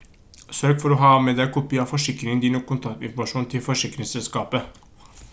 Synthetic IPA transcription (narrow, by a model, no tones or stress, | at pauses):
søɾɡfɔɾɔɦɑːmɛd̪æɪkʰʊpɪɑfɔʂɪkːɾɪŋənd̪iːnɔkʰːʊnt̪ʰɑkt̪ɪ̰nfɔɾmɑʂuːnt̪ʰɪlfɔʂɪkːɾɪŋsɛlskɑːpə